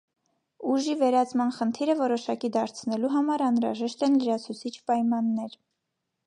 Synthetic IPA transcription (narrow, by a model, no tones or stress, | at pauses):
uʒivɛɾɑt͡smɑnχənt̪ʰiɾəvɔɾɔʃɑkid̪ɑɾt͡sʰnɛluɦɑmɑɾɑnɾɑ̰ʒɛʃt̪ɛnləɾɑt͡sʰut͡sʰit͡ʃʰpɑjmɑnːɛɾ